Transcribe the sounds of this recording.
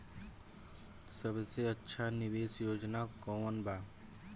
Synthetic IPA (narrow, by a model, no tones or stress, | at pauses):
səbseətːʃʰanɪʋeːsjoːd͡ʒnakɔːmənbaː